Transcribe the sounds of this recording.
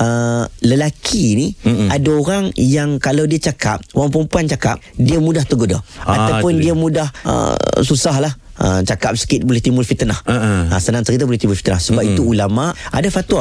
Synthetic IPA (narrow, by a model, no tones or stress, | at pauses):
ələlakʰiːniadaoɾaŋjaŋkalawdiat͡ʃaka̰p̚oaŋpəɾəmpuant͡ʃaka̰p̚diamudaht̪əɡodaa̰t̪awpʊndiamudahə̰susaɦlah | ə̰t͡ʃakap̚sə̥kɪt̪̚bolɪht̪imʊlfit̪ənahəsənaŋt̪əɣit̪abolɪht̪imbʊlfi̥t̪ənahsəbapit̪uulamaʔadafat̪ua